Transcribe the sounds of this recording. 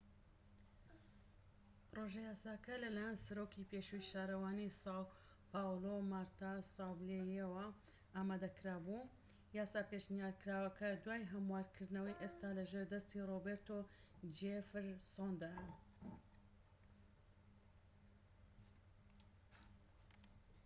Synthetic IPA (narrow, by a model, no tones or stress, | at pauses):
pɨɾoʒɛjaːsaːkɐlɐlaːjɛnsɐɾoːkipeːʃujʃaːɾɐwaːnisaw | paːwlomaɾt̪asawblejewɐ | aːmaːd̪ɐkɾaːbu | jaːsaːpeʃnjaːɾkɾaːwɐkɐd̪waːjɦɐmwaːɾkʰɨɾd̪nɐwɐjʔeːst̪aːlɐʒeːɾd̪ɐst̪iroːbeɾt̪od͡ʒefɾsond̪aj